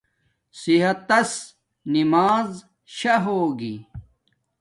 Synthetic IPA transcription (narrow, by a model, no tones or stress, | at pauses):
siɦɐt̪ːɐs | nimaːz | ɕɐɦoːɡḭ